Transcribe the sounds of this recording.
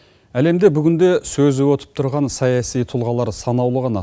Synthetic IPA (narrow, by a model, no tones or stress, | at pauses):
æle̞md̪e̞bʏɡʲɪnd̪e̞sɵzɪwot̪ʰə̥p̚t̪ʰʊɾʁɑnsɑjɑsijt̪ʰʊlˠʁɑlˠɑɾsɑnɑwlˠəʁɑnɑ